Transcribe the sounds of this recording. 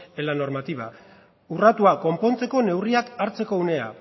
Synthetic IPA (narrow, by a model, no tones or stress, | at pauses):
elano̞ɾmat̪iβa | urat̪uako̞mpo̞nt͡se̞ko̞ne̞wriakaɾt͡se̞ko̞une̞a̰